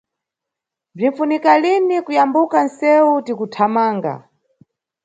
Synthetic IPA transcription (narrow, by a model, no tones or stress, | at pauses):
b͡ʐiɱfunikalinikujambukan̩sɛutikutʰamaːŋɡa̰